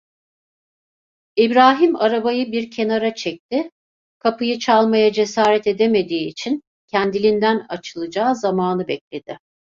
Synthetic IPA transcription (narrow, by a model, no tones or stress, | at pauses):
ibɾaːɦimaɾabajɯbiɾcʰe̞naɾat͡ʃʰɛc̚t̪ʰɪ | kʰapɯjɯt͡ʃʰalˠmajad͡ʒe̞saːɾɛt̪e̞d̪e̞me̞d̪iːt͡ʃʰin | cʰænd̪ilʲind̪ænat͡ʃʰɯlˠɯd͡ʒaːzamaːnɯbɛc̚lʲe̞d̪̥ɪ